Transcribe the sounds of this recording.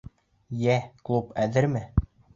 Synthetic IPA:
jæklˠupæðɘɾmɘ

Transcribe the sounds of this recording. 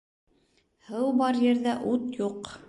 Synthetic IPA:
hɤwbɑɾjɘ̆ɾðæʔut̪juq

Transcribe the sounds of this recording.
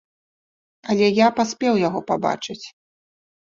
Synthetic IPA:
ɐlʲɛjapasʲpʲɛwjaɣɔpaba̰t͡ʂɨt͡sʲ

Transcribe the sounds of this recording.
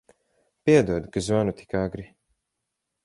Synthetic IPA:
piɛd̪uɔd̪kazvanut̪ʰi̥kaɡɾi

